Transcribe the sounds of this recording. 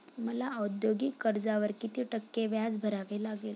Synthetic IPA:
məlaəd̪joɡiːkːəɾd͡zaʋəɾkit̪iʈəkːeʋjad͡zbʱəɾaʋelaɡel

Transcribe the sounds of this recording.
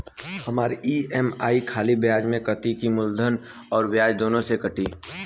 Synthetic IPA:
hɐmaːɾiʔiːɛmaːikʰaːlibjaːd͡ʒmẽkət̪ikimʊld̪ʱən | ɔːɾbjaːd͡ʒd̪oːnõsekɐʈiː

